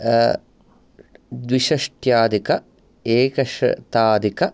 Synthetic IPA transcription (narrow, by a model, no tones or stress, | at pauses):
d̪ʋiʃɐʂʈjaːd̪ikɐ | eːkɐʂɐ̰t̪aːd̪ikɐ